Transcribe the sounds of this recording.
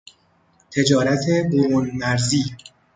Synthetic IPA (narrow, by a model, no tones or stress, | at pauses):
t̪ʰe̞d͡ʒɒːɾæt̪ʰeboɾunmæɾziː